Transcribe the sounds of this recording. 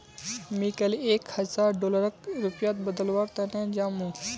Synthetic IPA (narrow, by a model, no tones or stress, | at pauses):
mikɐleːkhɐzaːɾɖoːləɾək̚ɾupjaːt̪̚bəd̪əlʋaːɾt̪ɐnẽd͡ʒaːmũ